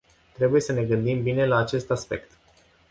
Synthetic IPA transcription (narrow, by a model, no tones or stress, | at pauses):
t̪ɾe̞buje̞səne̞ɡɨnd̪imbine̞laːt͡ʃe̞st̪aspe̞̰kt̪